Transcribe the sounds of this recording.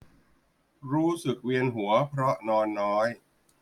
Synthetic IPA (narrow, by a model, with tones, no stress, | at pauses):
ɾuː˦˥sɯ˨˩k̚wi˧ənɦu˩˦ɐpʰɾɔ˦˥nɔː˧nːɔː˦˥j